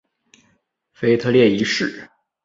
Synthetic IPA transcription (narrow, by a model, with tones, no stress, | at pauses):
fe˥ɪt̪ʰɤ˥˧ljɛ˥˩i˧˥ʂɻ̩˥˩